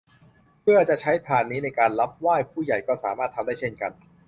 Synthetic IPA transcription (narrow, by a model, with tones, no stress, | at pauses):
pʰɯ˥˩ɐt͡ɕa˨˩ʔt͡ɕʰa˦˥jpʰaː˨˩nːiː˦˥na˧jkaː˧nla˦˥p̚waː˥˩jpʰuː˥˩ja˨˩jkɔː˥˩saː˩˦maː˥˩t̪ʰːa˧mdaː˥˩t͡ɕʰe˥˩nka˧n